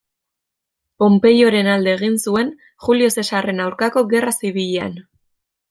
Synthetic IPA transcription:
po̞mpe̞jo̞ɾe̞nald̪e̞ːɣ̞insue̞n | xulio̞se̞sare̞nawɾkako̞ɣe̞rasiβ̞iʎea̰n

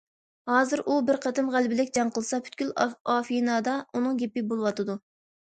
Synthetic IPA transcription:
hɑːzɨɾʔubɪɾqʰɛt̪ɨmʁælbɪlɪkʲd͡ʒɑɴqʰəlˠɨsɑpʰy̥t̪̚kʲylɑːfijnɑːd̪ɑunɨŋɡʲɛpɪbolˠɨwɑt̪ʰɨd̪u

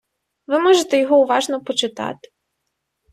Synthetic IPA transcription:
ʋɪmɔʒet̪ɛjɔɦɔʊʋɑʒnɔpɔt͡ʃɪt̪ɑ̰t̪ɪ̥

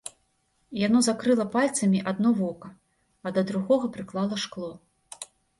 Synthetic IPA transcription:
janɔzakɾɨlˠɐpalʲt̪sɐmʲiʔad̪nɔvɔkɐ | ɐd̪ɐd̪ɾuɣɔɣɐpɾɨklˠalˠɐʂklˠɔ

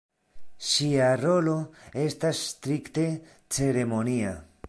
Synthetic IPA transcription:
ʃiaɾo̞lo̞e̞stasːtɾikte̞ | t͡se̞ɾe̞mo̞nia̰

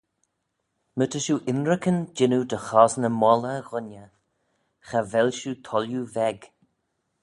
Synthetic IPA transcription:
mət̪ʰəʃuʔɪnɾəkənd͡ʒɪnud̪əxɔːsnəmɔləɣʊnə | xavɛlʃut̪ʰɔljuvɛɡ

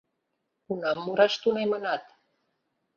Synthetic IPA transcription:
unɑmːuɾaʃt̪unemənɑt̪

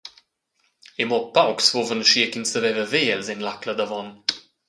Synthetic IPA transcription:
emɔpawksvovənʃiəkinsəvɛvəveːɛlzɛnlakləd̪avɔn

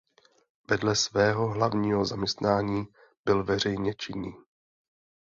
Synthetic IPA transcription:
vɛdlɛsvɛːɦo̞ɦlavɲiːɦozamɲɛst̪naːɲiː | b̥ɪlvɛr̝ɛjɲɛt͡ʃɪnːiː

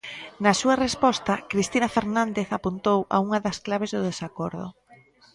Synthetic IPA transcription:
nɐsuɐrespɔst̪ɐkɾist̪inɐfeɾnãnd̪eθapunt̪owa̰uŋɐðɐsklaβ̞ezðʊðesakɔɾðʊ̰

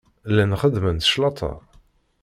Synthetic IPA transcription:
lːænχəðmənθʃlɑt̪ʰˤɑ̰

